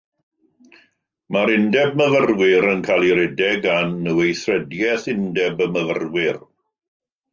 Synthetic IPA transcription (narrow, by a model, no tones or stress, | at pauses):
maɾɪndɛb̚məvərwɪɾənkʰalˠiɾɛdɛɡanːəwejθrɛdjɛθɪndɛbəməvə̰rwɪr